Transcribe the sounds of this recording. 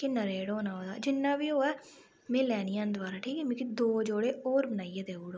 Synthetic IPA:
kinəɾeːɽoːnaːoːd̪a̰ːd͡ʒɪnːaːbiːoːɛː | mɛ̃ːlɛːnijãːnd̪ʊaːɾaːʈʰiːkɛːmẽːkid̪oːd͡ʒoːɽeːoːɾbənaːijaːd̪eːuːɽoː

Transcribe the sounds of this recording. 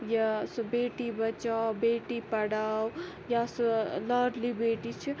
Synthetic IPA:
jasubeːʈibɐt͡ʃawbeːʈipɐɽaw | jasulaɾlibeːʈit͡ʃʰi

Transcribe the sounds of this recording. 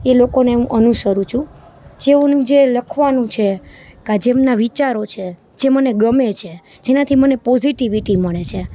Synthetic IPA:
elokoneũʔənuʃəɾũt͡ʃʰũ | d͡ʒeonũd͡ʒeləkʰʋanũt͡ʃʰekad͡ʒemnaʋit͡ʃaɾot͡ʃʰe | d͡ʒeməneɡəmet͡ʃʰe | d͡ʒenat̪ʰimənepɔziʈiʋiʈiməɭet͡ʃʰe

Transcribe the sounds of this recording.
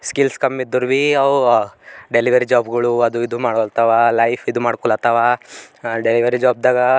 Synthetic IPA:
skilskɐmid̪ːuɾʋiɐ | ɖeliʋɐɾid͡ʒaːbɡɐɭuɐd̪uid̪umaːɽɔlt̪aʋaːlɐjpʰid̪umaːɽkɔɭlat̪aʋa | ɖeliʋɐɾid͡ʒaːb̚d̪aːɡɐ

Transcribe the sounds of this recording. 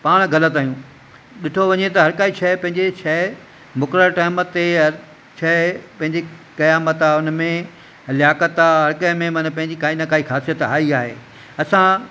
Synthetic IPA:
paːɽ̃ɡʱɐlət̪aːɦjũː | ɗɪʈʰoʋɐɲet̪ɐɦɐɾkaːit͡ɕʰɐpɐ̃ɦɪ̃ɲd͡ʑet͡ɕʰɛ | mʊkɾəlʈɐːmət̪ːeɦɐɾ | t͡ɕʰɐpɐ̃ɦɪ̃ɲd͡ʑikɐjaːmət̪aʊnmẽ | ɐljaːkət̪aːɦɐɾkɐmẽmɐnpɐ̃ɦɪ̃ɲd͡ʑikaːinakʰaːixaːsijət̪a̰ːiaːɦḛː | ɐsã

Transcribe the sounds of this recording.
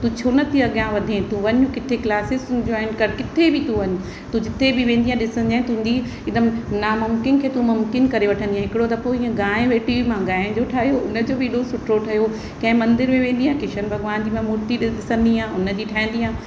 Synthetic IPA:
t̪ũt͡ɕʰoːnət̪iɐɡjãʋɐd̪ʱiẽt̪ũʋɐɲukɪt̪ʰeklaːsɪzd͡ʑɔːɪnkɐɾkɪt̪ʰebɪt̪ũʋɐɲʊ | t̪ũd͡ʑɪt̪ʰebɪʋẽːnd̪iːɦãɗɪsə̃nd̪iãːt̪ũd̪i | ɪd̪əmnaːmʊmkɪnkʰeːt̪ũmʊmkɪnkɐɾeʋɐʈʰənd̪ijãɦɪkɪɽot̪ɐpoĩːə̃ɡaːẽʋeːʈimãɡãːẽd͡ʑoʈʰaːɦijoʊnə̆d͡ʑoːbʱɪɪɗosʊʈʰɾoʈʰɐɦjo | kɐ̃ɦɪ̃mɐ̃nd̪ɪɾmẽʋẽːn̆d̪iɦãːkɪʃənbʱɐɡʋaːnd͡ʑiːmãmoːɾt̪iɗɪsə̃nd̪iãːʊnə̆d͡ʑiːʈʰaɦɪ̃n̆d̪iːãː

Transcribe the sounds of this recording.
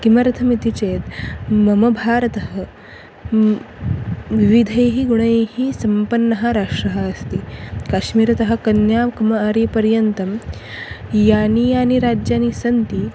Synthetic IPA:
kimɐɾɐt̪ʰɐmit̪it͡ʃeːt̪mɐmɐbʱaːɾɐt̪ɐɦɐ̆ | ʋiʋid̪ʱɐjɦiɡuɳ̃ɐehisɐmpɐnːɐɦɐ̆ɾaːʂɾɐɦɐ̆ɐst̪ikaːʃmiːɾɐt̪ɐɦɐ̆kɐnjaːmkɐmɐaːɾiːpɐɾjɐnt̪ɐm | jaːnijaːniɾaːd͡ʒjaːnisɐnt̪i

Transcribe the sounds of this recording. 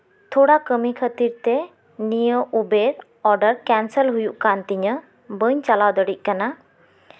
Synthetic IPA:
t̪ʰuɽakəmikʰət̪iɾt̪ɛ | nijəʔubeɾ | ɔɾɖəɾkɛnsəlɦujuʔkant̪iɲə | bəɲt͡ʃalawd̪əɽic̚ˀkana

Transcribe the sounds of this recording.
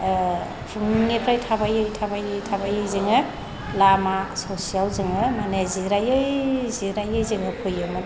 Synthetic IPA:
pʰuŋːepʰɾajtʰabajɯjtʰabajɯjtʰabajɯjzɯŋɯ | lamasosijalzɯŋɯmaneziɾajɯjziɾajɯjzɯŋɯpʰɯjɯma

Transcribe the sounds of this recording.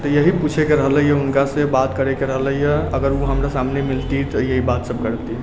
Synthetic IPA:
t̪əjəɦiput͡ʃʰekeɾəɦləjɛunkasəbat̪kəɾekeɾəɦləɦijəəɡəɾuɦəmɾasamnemilt̪it̪əjəɦibat̪səb̚kəɾt̪i

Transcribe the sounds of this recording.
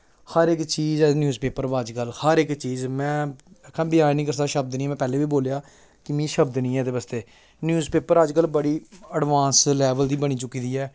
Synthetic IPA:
həɾɪkt͡ʃiːzɛnjuːzpeːpəɾbəd͡ʒkəlhəɾɪkt͡ʃiːzmɛ̃ːəkʰːãːbɪjaːnĩːkəɾsaːʃəb̚d̪nĩːmɛ̃ːpɛːleːʋiːboːljaː | kɪmĩːʃəbd̪nĩːɛːd̪eːbəst̪eː | njuːzpeːpəɾəd͡ʒkəlbəɽiːəɖʋãːnslɛːʋəld̪iːbəɽ̃iːt͡ʃʊkːiːd̪iːɛː

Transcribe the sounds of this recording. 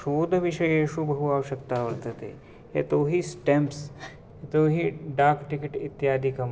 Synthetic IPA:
ʃoːd̪ʱɐʋiʃɐjeːʃubʱɐɦuaːʋɐʃjɐkt̪aːʋɐɾt̪ɐt̪ḛː | ɦḛt̪oːɦisʈemps | et̪oːɦiɖaːkʈikɪʈḭt̪ːjaːd̪ʱikɐm

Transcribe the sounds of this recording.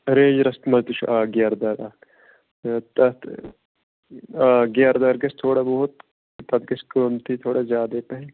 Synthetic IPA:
ɐɾeːd͡ʒɾɐst̪mɐzd̪iʃʰʔaːɡjaːɾd̪aːɾaː | t̪ɐt̪ | aːɡjaːɾd̪aːɾɡɐst̪ʰoːɽabɐɦʊt̪ | t̪ɐd̪ɡɐskəmt̪ʰit̪ʰoːɽazaːd̪eːp̪ɐɦɛ

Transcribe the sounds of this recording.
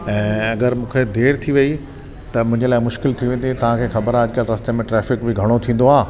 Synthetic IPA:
ɛ̃ːɐɡəɾmũːkʰed̪ʱeːɽt̪ʰiʋɐi | t̪ɐmʊ̃ɦɪ̃ɲd͡ʑelaːɪmʊʃkɪlt̪ʰiʋẽːn̆d̪it̪ɐʋ̤ãkʰeːxɐbəɾaɐd͡ʑɪkalɾɐst̪emẽʈɾɛːfɪkbɪɡʱɐɽ̃ot̪ʰĩːn̆d̪oaː

